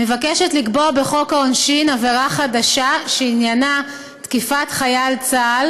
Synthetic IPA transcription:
me̞vakeʃetlikboabe̞χo̞kaonʃinaveʁaχadaʃaʃeinjana | tkifatχajalt͡sal

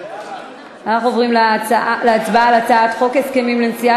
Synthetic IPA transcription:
anaχuovʁimleat͡sbalat͡saat̪χo̞keskemimlensia

